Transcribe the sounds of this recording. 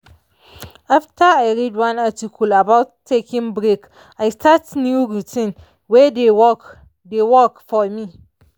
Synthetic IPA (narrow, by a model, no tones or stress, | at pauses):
aftʰəajɹɛdwãnatikʰulabaʊtʰːekʰɪ̃ŋbɹek | ajstʰatnjuɹitʰĩn | wɛdewɔk | dewɔkfɔmi